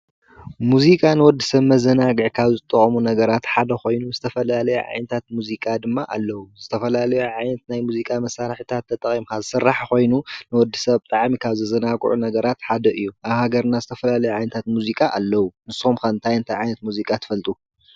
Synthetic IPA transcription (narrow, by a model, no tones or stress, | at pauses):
muzikʼanɨwɔd̪ːisɐβmɐzɐnaɡɨʕkʰaβzɨt̪ʼːɨχʼɐmunɐɡɐɾat̪ħad̪ɐxo̞jnuzɨt̪ʰɐfɐlalɐjṵʕa̰jnɐt̪ʰat̪̚muzikʼad̪ɨmːaʔa̰lːɐwuzɨt̪ʰɐfɐlalɐjuʕajnɐt̪najmuzikʼamɐsːaɾħit̪ʰat̪ʰːɐt̪ʼɐχʼimkʰazɨsɨrːaħko̞jnunɨwɔd̪ːisɐβt̪ʼaʕmikʰaβzɐzɐnaɡ̰ʼʕṵnɐɡɐɾat̪ħad̪ɐʔɨjːuʔaβhaɡɐɾnazɨt̪ʰɐfɐlalɐjuʕajnɐt̪ʰat̪muzikʼaʔalːɐwunɨsomkʰant̪ʰajɨnt̪ʰajʕajnɐt̪muzikʼat̪ʰɨ̥fɐlt̪ʼu